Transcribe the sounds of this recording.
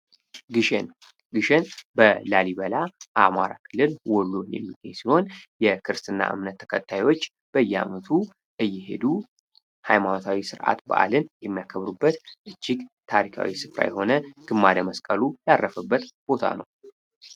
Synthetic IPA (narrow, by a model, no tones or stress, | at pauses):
ɡɨʃn | ɡɨʃenbəlaliβəlaʔamaɾakʰɨlːɨlwɔlːunjɛ̰mːiɡəɲsiho̞njɛkʰɨɾɨst̪ɨnːa̰ʔɨ̰mnət̪ʰːə̥kʰət̪ʰːajwo̞t͡ʃː | b̥əjːɛa̰mət̪ʰu | ʔɨjːɛɦe̞̰d̪u | hajmano̞t̪ʰawisɨɾʔa̰t̪ba̰ʔa̰lɨnjɛmːijakʰəβɾubːət̪ʔɨt͡ʃːɪɡt̪ʰaɾikʰa̰wisɨfɾa̰jɛho̞nəɡ̥ɨmːad̪əməskʼəlujarːəfəbːət̪b̥o̞t̪ʰa̰nə̰w